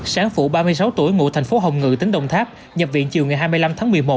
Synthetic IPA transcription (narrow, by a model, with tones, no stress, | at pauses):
saː˨˦ŋfṵ˧˥ɓaː˧mɨ˧əjsa˨˦wt̪u˧˩əjŋṵ˧˨t̪ʰɛ˨˩jŋ̟fo˨˦ɦə˨˩wŋ͡mŋɨ̰˧˨t̪ï˨˦ŋ̟ɗə˨wŋ͡mt̪ʰaː˦˥p̚ | ɲə˨˩p̚vḭ˧˨ənt͡ɕi˨˩əwŋaː˨˩jɦaː˧jmɨ˧jla˧mt̪ʰaː˨˦ŋmɨ˨˩əjmo˨˩t